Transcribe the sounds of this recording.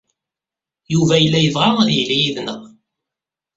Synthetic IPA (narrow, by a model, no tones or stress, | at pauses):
juvæjəlːæjəvʁaðijlijiðnəʁ